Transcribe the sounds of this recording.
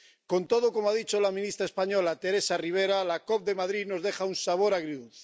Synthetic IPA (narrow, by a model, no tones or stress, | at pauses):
ko̞nt̪oðokomoaðit͡ʃolamĩnist̪ɾaespaɲo̞lat̪e̞ɾe̞sariβ̞eɾalakop̚d̪e̞maðɾino̞zðe̞xaunsaβ̞o̞ɾaɣɾiuθ